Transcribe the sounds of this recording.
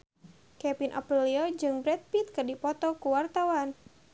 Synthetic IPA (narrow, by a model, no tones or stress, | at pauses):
kɛpinʔɔ̰pɾiliɔd͡ʒɨŋbɾɛt̪̚pit̪̚kɨrdipɔt̪ɔkuwart̪awan